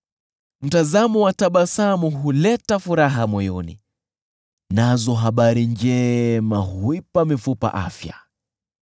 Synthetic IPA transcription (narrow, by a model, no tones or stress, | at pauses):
m̩tazamɔwataɓasamuɦulɛtafuɾaɦamɔjɔnḭ | nazɔɦaɓaɾind͡ʒɛmahuipamifupa̰ʔa̰fja